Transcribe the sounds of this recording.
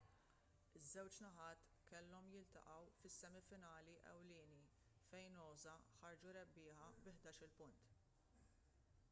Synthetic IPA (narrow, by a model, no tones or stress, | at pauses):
ɪzːɛwt͡ʃnɐħɐːt̪ | kɛlːɔmjɪlt̪ɐ̰ʔɐwfɪsːɛmɪfɪnɐːliʔɛ̰wlɪːni | fɛjnɔːzɐħɐɾd͡ʒuɾɛbːɪːħɐbɪħd̪ɐːʃɪlpʊnt̪